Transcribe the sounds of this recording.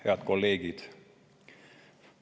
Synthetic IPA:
heæt̪kolːeːɡit̪

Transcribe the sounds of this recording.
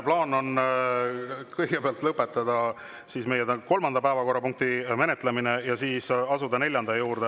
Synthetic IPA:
plɑːno̞n | kɤjɡ̥epeɑlt̪lɤpːˑet̪ːˑɑd̪̥ɑ | siːsme̞jeko̞lmɑnd̪̥ɑpæevɑko̞rːɑpuŋk̚t̪ime̞net̪ˑleminejɑsiːsɑsud̪ɑne̞lʲjɑnd̪̥ɑjuːrd̪e

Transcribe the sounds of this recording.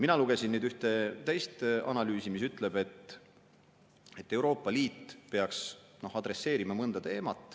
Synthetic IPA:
minɑluɡ̥e̞sinnyːd̪yht̪e̞t̪æjst̪ɑ̰nɑlyːsimis̬yt̪ːˑle̞b̥e̞t̪ | et̪ːˑe̞wɾo̞ːpːˑɑliːt̪ːpeɑksno̞hɑd̪̥ɾe̞sːe̞ːɾimɑmɤnd̪ɑt̪e̞ːmɑt̪ˑː

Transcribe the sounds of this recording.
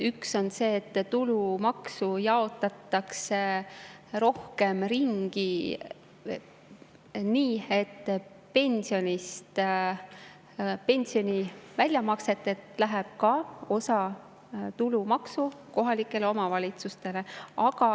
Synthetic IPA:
ykso̞nse̞ːt̪ːt̪ːulumɑksujɑo̞t̪ːˑɑt̪ːˑɑkse | ro̞hke̞mriŋɡ̥i | niːe̞t̪ː | pe̞nʲsio̞nʲist̪ | pe̞nʲsio̞nʲivælʲjɑmɑkse̞t̪ːˑet̪læɦeb̥̚kɑo̞sɑ | t̪ulumɑksuko̞ɦɑlikˑːe̞leo̞mɑvɑlʲit̪sust̪e̞le̞ɑɡɑ

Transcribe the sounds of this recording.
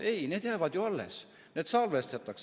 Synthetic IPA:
e̞jneːd̪jæevɑd̪joɑlːḛs | ne̞ːd̪sɑlvest̪et̪ːˑɑks

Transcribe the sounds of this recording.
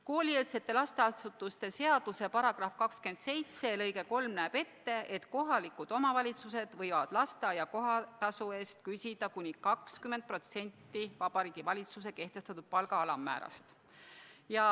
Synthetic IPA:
ko̞ːlʲielse̞t̪ːe̞lɑst̪e̞ɑsut̪ːˑust̪e̞se̞ɑd̪̥use̞pɑɾɑɡ̥rɑfkɑkske̞nd̪̥se̞jt̪se̞lɤjɡe̞ko̞lmnæːb̥e̞t̪ːe̞e̞t̪ko̞ɦɑlikud̪̥o̞mɑvɑlʲit̪suse̞d̪̥vɤjvɑd̪̥lɑst̪ɑjɑko̞ɦɑt̪ɑsue̞ːst̪kysʲid̪ɑkunʲikɑkskymːend̪̚pro̞t̪se̞nʲt̪ːivɑb̥ɑɾiːɡ̥ivɑlʲit̪sus̬e̞ke̞ht̪e̞st̪ɑt̪ud̪̥̚pɑlɡɑɑlɑmːæ̰ːɾɑ̰st̪ | jɑ

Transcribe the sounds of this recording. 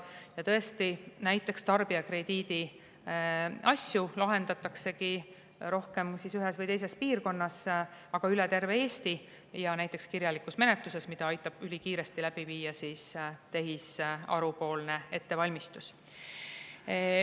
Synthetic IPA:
jɑt̪ɤ̞e̞st̪inæjt̪ːˑe̞kst̪ɑrb̥iɑkre̞d̪̥iːd̪̥i | ʔɑsʲjulɑɦe̞nd̪ɑt̪ːˑɑkse̞ki | ɾo̞hke̞msisyɦesvɤjt̪e̞js̬e̞spiːrko̞nːɑsɑɡ̥ɑylɛt̪e̞rve̞eːst̪i | jɑnæjt̪ˑːe̞kskirjɑlikusme̞net̪luse̞smid̪̥ɑɑjt̪ːˑɑb̥ylʲikiːɾe̞st̪ilæb̥iviːjɑsiːst̪e̞ɦisɑ̰ɾupo̞ːlne̞e̞t̪ːe̞vɑlʲmist̪us

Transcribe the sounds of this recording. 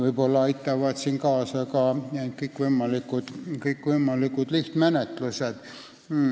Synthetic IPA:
ʋɨibolːɑɑit̪ːɑʋɑt̪siŋkɑːsɑkɑekəikːʋumːɑlːikːut̪kəikːʋumːɑlːikːut̪liht̪mænet̪luset̪̩ː

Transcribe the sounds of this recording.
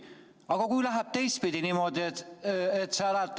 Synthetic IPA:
ɑɡ̥ɑkujlæɦæb̥̚t̪e̞jst̪̚pid̪inimo̞d̪ietet̪seæɾæt̪ː

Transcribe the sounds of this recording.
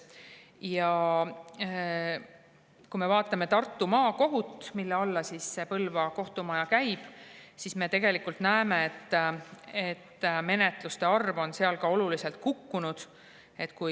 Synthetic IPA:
jɑ | kume̞vɑːt̪ːˑɑme̞t̪ɑrt̪ːˑumɑːko̞ɦut̪ːˑmilːeolːɑsisse̞pɤlvɑko̞ht̪umɑjɑkæjb̥sisme̞t̪e̞ɡ̥e̞likːˑult̪næeme̞et̪ː | et̪ːme̞ne̞t̪lust̪e̞ɑrvo̞nse̞ɑlkɑo̞lulise̞lt̪̚kukːunud̪̥ | e̞t̪ːˑku

